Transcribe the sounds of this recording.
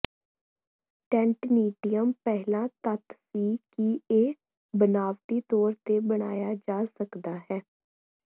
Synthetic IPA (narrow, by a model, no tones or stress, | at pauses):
ʈɛ̃ɳʈmiːɖijəmpɛɦlãːt̪ət̪siːkieː | bənaːʋʈ̪iːt̪ɔːɾt̪eːbəɽ̃aːjaːd͡ʒaːsəkd̪aːɦɛː